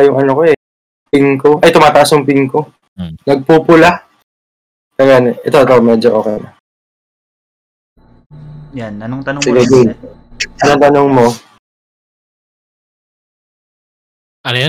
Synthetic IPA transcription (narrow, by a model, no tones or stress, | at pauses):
ɐjʊŋɐnokoɛ | pɪŋkoʔɐjt̪ʊmaːt̪ɐʔasjʊŋpɪŋko̞ | nɐɡ̚pupʊla | sɐɡanoʔɛt̪oʔɛt̪omɛd͡ʒoʔo̞ːkɛnɐ | jsɪɡɪd͡ʒi | ʔɐnoŋt̪ɐnoŋmo̞ | ɐ